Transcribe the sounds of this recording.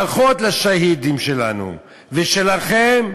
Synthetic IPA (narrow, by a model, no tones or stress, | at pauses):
aχot̪laʃahid̪imʃelanṵ | veʃelaχem